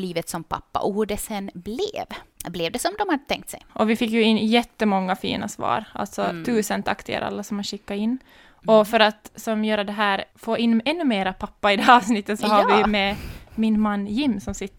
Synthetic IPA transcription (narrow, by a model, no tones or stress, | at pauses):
liːvət̪sɔmpʰa̰pːa̰ʔɔhʊɖɛsɛnblɪ̰vblɛvd̪ɛsɔmd̪ɔmhad̪ət̪ʰɛŋkt̪sɛ̰jʔɔvɪfɪkːjʉɪnːjɛt̪ːəmɔŋːafḭːna̰svɑ̰ːɾʔa̰lt̪sɔt̪ʰʉːsənt̪ʰakt̪ɪɡa̰ɾʔa̰lːasɔmhanɕɪkːaɪnː | ɔfœɾat̪sɔmjœːɾad̪ɛɦæːɾfoːɪnːɛnːʉmeːɾapʰapːaɪd̪ɛɑːvsnɪt̪ːət̪sɔɦaɾʋɪmɛmɪnmanːjɪmːsɔmsɪt̪ː